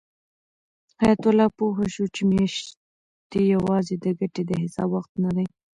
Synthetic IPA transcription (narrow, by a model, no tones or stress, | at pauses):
hɑjat̪ʊlɑpoɦaʃut͡ʃemeʃ | t̪ejawɑzed̪əɡaʈed̪əɦɪsɑ̰bwaxt̪nad̪aj